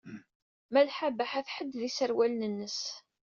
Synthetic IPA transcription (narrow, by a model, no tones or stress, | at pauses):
mælħabəħæθħəd̪ːðisəɾwælnənːəs